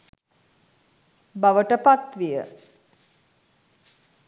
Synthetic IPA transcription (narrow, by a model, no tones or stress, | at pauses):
baʋəʈəpat̪ʋijə̰